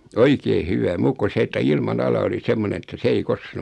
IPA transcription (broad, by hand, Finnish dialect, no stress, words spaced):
oikeː hyʋæ muːkːu se etːæ ilmɑnɑlɑ oli semːonen̞ etːæ se ei koske